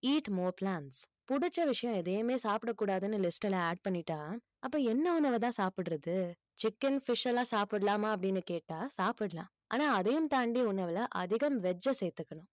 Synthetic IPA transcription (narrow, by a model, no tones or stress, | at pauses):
iːʈmoːplaːɳs | pʊɽʊt͡ʃːɐʋɪʂɐjɔ̃ɛðeːɐmeːsaːpɪɽɐkːuːɽaːðɯnːɯlɪsʈɐlɐaːɖ̚pɐɳnːɪʈːãː | ɐpːoːɛnːɐʊnɐʋɐt̪̬ãːsaːpɪɽɾɐðɯ | t͡ʃɪkːɐnfɪʂɐlãːsaːpɪɽɐlaːmɐːɐp̬ːɐɽɪnːɯkeːʈːaːsaːpɪɽɐlã̰ː | ʔaːnaːɐðɐjɯmt̪aːɳɖiʊnɐʋɪlɐʔɐðɪɣɐmʋɛd͡ʒːɐsɛjt̪ːɯkːɐɳʊ̃